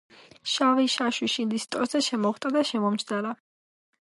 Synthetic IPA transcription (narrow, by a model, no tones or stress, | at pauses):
ʃaviʃaʃwiʃind̪ist̪ʼɔɾzɛʃɛmɔχwt̪ʼad̪aʃɛmɔmt͡ʃd̪ala